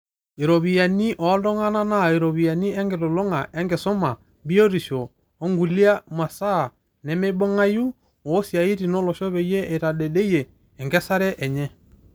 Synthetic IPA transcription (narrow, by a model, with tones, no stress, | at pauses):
e˨ɾo˨βi˨ja˨ni˦ʔɔ˨˦dɔ˦ŋa˦na˦na˦˨e˨ɾɔ˨βi˨ja˨ni˦ɛ˦ŋɡe˨to˨lo˦ŋa˨ʔɛ˦ŋɡe˨sɔ˦ma˨ | bi˦o˦ɾi˨ʃɔː˨˦ | ŋɡu˨li˦a˦mwa˨sa˦˨ | nɛ˨me˦bɔ˦ŋa˦ju˦ | ɔː˨˦sja˨i˦ti˨nɔ˦lɔ˨ʃɔ˦βɛ˨jɛ˦ʔe˨ta˨ɗɛ˨de˦jɛː˨ | ŋɡɛ˦sa˦ɾɛ˦ʔɛ˨ɲɛ˦